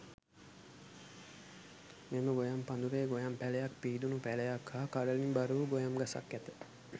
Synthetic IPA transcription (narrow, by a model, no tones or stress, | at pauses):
meməɡojampand̪uɾeːɡojampælejak̚piːd̪unupælejakʰhaːkaɽəlimbaɾuʋuɡojamɡasa̰kːæt̪ə